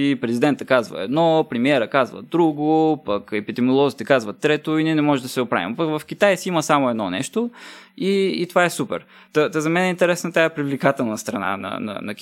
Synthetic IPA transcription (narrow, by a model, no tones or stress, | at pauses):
ipɾɛzid̪ɛnt̪əkazvə̰ɛ̰d̪nɔpɾɛmiɛɾəkazvə̰d̪ɾuɡopɐkɛpid̪ɛmiolˠɔzit̪ɛkazvət̪ːɾɛt̪oiniɛnɛmɔʒɛd̪ɐsɛopɾa̰vḭmpɐkvɐfk̟ʲit̪ajsiimɐsamʊɛd̪nɔnɛ̰ʃt̪oiːt̪ovaɛsupɛ̰ɾ | t̪ət̪əzɐmɛnɛint̪ɛɾɛsnət̪ajɛpɾivlikat̪ɛlˠnɐst̪ɾɐna̰nɐ̰nɐ̰nɐkʲ